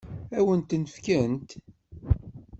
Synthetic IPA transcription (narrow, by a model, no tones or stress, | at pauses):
æwənt̪nəfkænt̪